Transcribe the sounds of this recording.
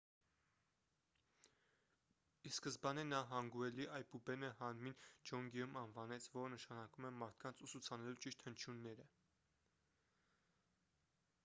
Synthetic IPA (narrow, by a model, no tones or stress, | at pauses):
iskəzbɑnɛnɑɦɑŋɡuɛliʔɑjpubɛnəɦɑnmind͡ʒɔŋɡɛjumɑnvɑnɛt͡sʰvɔɾnəʃɑnɑkumɛmɑɾt̪ʰkɑnt͡sʰusut͡sʰɑnɛlut͡ʃiʃt̪hənt͡ʃʰjunːɛɾə